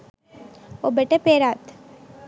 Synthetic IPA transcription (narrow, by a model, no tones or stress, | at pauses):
obeʈepeːɾaːt̪